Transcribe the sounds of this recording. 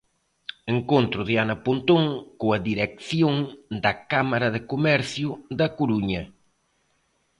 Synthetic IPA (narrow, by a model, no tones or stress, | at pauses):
eŋkont̪ɾʊðianɐpont̪oŋkoɐðiɾɛkθjoŋd̪ɐkamaɾɐðɪkomɛɾθjʊðɐkoɾuɲɐ